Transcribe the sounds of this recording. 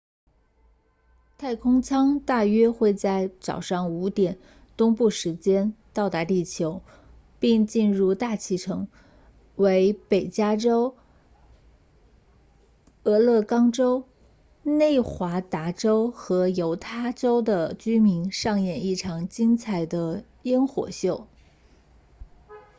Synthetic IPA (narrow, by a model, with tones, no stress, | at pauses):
t̪ʰa˥˩ɪkʰʊ˥ŋt͡sʰɑ˥ŋt̪a˥˩ɥɛ˥xwe˥˧ɪt͡sa˥˩ɪt͡sɑ̰˨˩ʊʂɑ˥˩ŋu˧˥t̪jɛ˨˩˦n | t̪ʊ˥ŋpu˥˩ʂɻ̩˧˥t͡ɕjɛ˥nt̪ɑ˥˩ʊt̪a˧˥t̪i˥˩t͡ɕʰjo˧˥ʊ | pi˥˧ŋt͡ɕi˥˧nɻu˥˧t̪a˥˩t͡ɕʰi˧˥˩ʈ͡ʂʰɤ˧˥ŋ | we˧˥ɪpe˨˩ɪt͡ɕja˥ʈ͡ʂo˥ʊ | ɤ˧˥lɤ˥˩kɑ˥ŋʈ͡ʂo˥ʊ | ne˥˩ɪxwa˧˥t̪a˧˥ʈ͡ʂo˥ʊxɤ˧˥jo˧˥ʊt̪ʰa˥ʈ͡ʂo˥ʊd̪ə˨t͡ɕy˥mi˧˥nʂɑ˥˧ŋjɛ˥˩ni˥˩ʈ͡ʂʰɑ˨˩ŋt͡ɕi˥ŋt͡sʰa˧˩ɪd̪ə˧ | jɛ˥nxwɔ̰˨˩ɕjo˥˩ʊ